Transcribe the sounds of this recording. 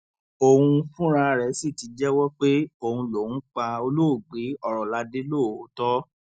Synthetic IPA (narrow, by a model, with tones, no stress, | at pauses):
o˧hũ˧fũ˦ɾ̃ã˧ɾɛ˨˦si˦˨ti˨˦d͡ʒɛ˦wɔ˦k͡pe˦o˧hũ˧lo˨wũ˨˦k͡pa˧o˧lo˦˨ɡ͡bi˨˦ɔ˨ɾɔ˨la˧de˦lo˦˨o˨˦tɔ˦